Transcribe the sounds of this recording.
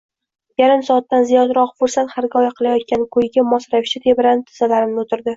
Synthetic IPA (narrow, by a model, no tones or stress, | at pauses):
jaɾɪmsɒːt̪ːanzijɒd̪ɾɒqfʊɾsat̪haɾɡʲɒjaqʰɨlˠajɒt̪̚kʲankʰɵjɡʲamɒsɾavɪʃɪt̪ʰe̞bɪɾanɪt̪ʰɪ̥z̥alaɾɪmnɪot̪ʰɪɾd̪ɪ